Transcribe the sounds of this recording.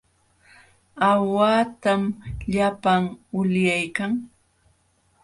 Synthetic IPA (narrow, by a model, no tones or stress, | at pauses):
awaːt̪amʎapaŋʊljajkaŋ